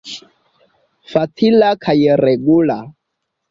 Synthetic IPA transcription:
fat̪ʰilakʰajɛɾɛɡula

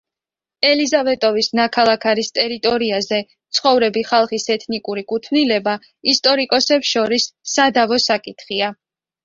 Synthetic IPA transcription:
ɛlizavɛt̪ʼɔvisnakʰalˠakʰaɾist̪ʼɛɾit̪ʼɔɾiazɛ | t̪sʰχɔvɾɛbiχalˠχisɛt̪ʰnikʼuɾikʼut̪ʰvnilɛba | ist̪ʼɔɾikʼɔsɛpsʃɔɾisːad̪avɔsakʼit̪ʰχia

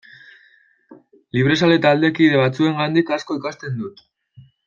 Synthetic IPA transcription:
liβ̞ɾe̞sale̞t̪ald̪e̞kiðe̞β̞at͡sue̞ŋɡand̪ikasko̞ikast̪e̞nd̪ut̪

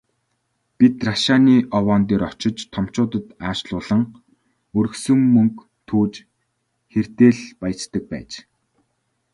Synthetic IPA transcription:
pit̪raʃaːniːʔɔwɔːnt̪eːɾɔt͡ɕɪ̆t͡ɕt̪ʰɔm̥t͡ɕʊːt̪ə̆t̪aːʃɮʊːɮə̆ŋ | ɵɾɵ̆ksɵ̆mmɵŋk | t̪ʰuːt͡ɕ | xer̥t̪eːɮpaj̆t͡ɕt̪ə̆k̚pæ̰ːt͡ɕ

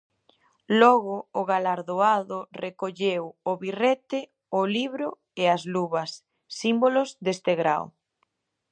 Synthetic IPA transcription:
lɔɣʊːɣalaɾðoaðʊrekoʎewʊβiret̪ɪ | ʊliβɾʊ | eazluβɐsː | imbolʊzðest̪eɣɾa̰w

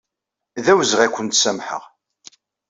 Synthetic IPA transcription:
ðæwzʁækʷːənt̪sæmħə̰ʁ

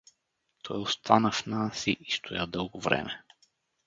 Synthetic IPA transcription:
t̪ʰɔjost̪ʰanɐfnasiʔist̪ʰojad̪ɤlˠɡovɾɛ̰mɛ

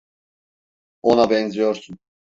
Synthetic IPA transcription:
onabɛnzijo̞ɾsun

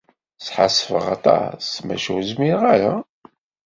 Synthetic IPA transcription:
sħa̰sːəfəʁɑ̰t̪ˤɑ̰smæ̰ʃuzmiɾʁaɾa

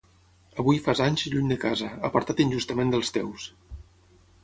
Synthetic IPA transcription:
əβujfazaɲzʎuɲd̪əkazəəpəɾt̪at̪inʲʒust̪əmend̪əlˠst̪ɛ̰ws

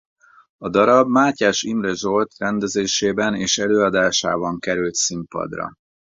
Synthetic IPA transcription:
ɒd̪ɒɾɒbmaːcaːʃimrɛʒolt̪rɛnd̪ɛzeːʃeːbɛneːʃɛløːɒd̪aːʃa̰ːbɒŋkɛɾylt̪simpɒ̰d̪rɒ̰

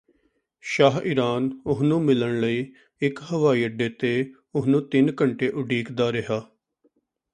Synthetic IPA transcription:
ʃaːɦɪɾaːnʊsnũːmɪləɳləiː | ɪkɦəʋaːiːəɖeːt̪eː | ʊsnũːt̪ɪnkəɳʈeːʔʊɖiːkd̪aːɾɪɦaː

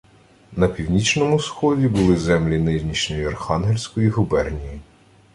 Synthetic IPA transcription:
nɐpʲiwnʲit͡ʃnɔmʊsxɔdʲibʊlˠɪzɛmlʲinɪʒnʲit͡ʃnɔjiɐrxɑnɦelʲsʲkɔjiɦʊbɛrnʲiji

